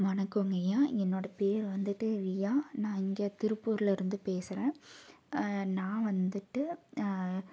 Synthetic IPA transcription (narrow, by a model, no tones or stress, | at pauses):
ʋɐnɐkːɯŋɡɐjaːɛnːoːɽɐpeːɾʋɐnd̪ɯʈːɯʋɪjaːnãːɪŋɡet̪ɪɾɯpːuːɾɪlɪɾɯnd̪ɯpeːsɯɾẽː | nãːʋɐnd̪ɯʈːɯ